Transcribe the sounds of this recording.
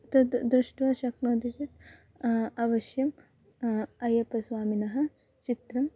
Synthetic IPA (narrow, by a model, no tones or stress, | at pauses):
t̪ɐd̪d̪ɾuʂʈʋɐʃɐknoːd̪it͡ʃit̪ | ɐʋɐʃjɐm | ɐjɐpɐsʋaːminɐɦɐ̆ | t͡ʃit̪ɾɐm